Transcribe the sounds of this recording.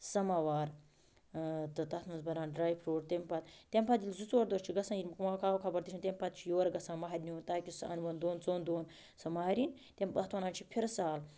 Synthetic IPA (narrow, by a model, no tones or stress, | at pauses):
sɐmaʋaːɾ | t̪ɨt̪ɐt̪ʰmɐnzbɐɾaːnɖɾaːjpʰɾoːɖt̪emʲpat̪t̪ʲempʰat̪ʲilzut͡sʋɐɾd̪oːɾt͡ʃʰiɡɐsãnjimkmaːkʰaːkʰabɐɾt̪it͡ʃʰint̪ʲemʲpat̪t͡ʃʰijoɐɾɡɐsãːmɐɦɐɾʲiniut̪aːkʲisɐ̰ʔɐnʋɐnd̪oːnt͡soːnd̪oːn | sɐmaɦɐɾʲin | t̪ʲembɐɦt̪ʋɐːnaːnt͡ʃʰipʰiɾsaːl